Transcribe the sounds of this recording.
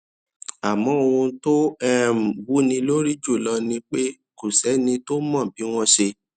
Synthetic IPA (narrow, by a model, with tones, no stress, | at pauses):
a˨mɔ̃˨˦o˧ũ˧to˦ɛ˦˨m̩˨bu˨˦nĩ˧lo˦ɾi˦d͡ʒu˦˨lɔ˧nĩ˧k͡pe˦ | ku˨sɛ˨˦nĩ˧to˦mɔ̃˦˨bi˨˦w̃ɔ̃˦ʃe˧